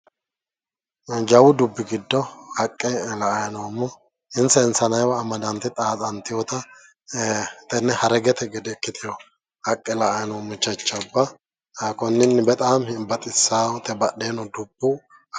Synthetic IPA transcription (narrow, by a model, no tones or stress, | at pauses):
d͡ʒɐwʊd̪ʊbːɪɡɪd̪ːɔhɐkʼːɛlɐʔɐjnoːmːɔ | ɪnsɛɪnsɐnɐjwɐːmɐd̪ɐnt̪ɪt̪ʼaːt̪ʼɐnt̪ːɪjɔt̪ɐ | t̪ɛnːɛhɐɾɛɡɛt̪ɛɡɛd̪ɛkːɪt̪ɪjɔ | hɐkʼːɛlɐʔɐjnoːmːʊt͡ʃːɐt͡ʃːɐbːɐ | kɔnːɪnːbɛt̪ʼaːmhɪbɐt̪ʼɪsːaːt̪ɛbɐɗeːnɔd̪ʊbːʊ